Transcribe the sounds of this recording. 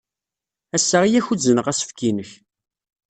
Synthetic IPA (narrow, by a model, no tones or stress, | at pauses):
æsːəʁijæçuzənəʁæsə̥fkʰinəç